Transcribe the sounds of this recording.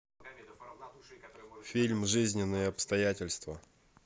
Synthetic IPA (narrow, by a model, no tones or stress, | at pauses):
fʲilʲmʐɨzʲnʲɪnːɨjəɐpst̪ɐjætʲɪlʲst̪və